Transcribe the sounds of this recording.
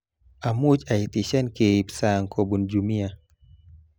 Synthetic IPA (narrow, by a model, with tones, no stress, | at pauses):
a˨mu˦d͡ʒa˨i˨ti˨ʃɛ˦nke˨i˨psa˨ŋ˨kʰo˨bu˨nd͡ʒu˨mi˦a˨